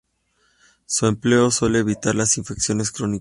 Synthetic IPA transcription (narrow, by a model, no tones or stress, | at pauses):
sue̞mple̞o̞swe̞le̞ːβit̪aɾlasiɱfe̞ksjo̞ne̞skɾo̞ni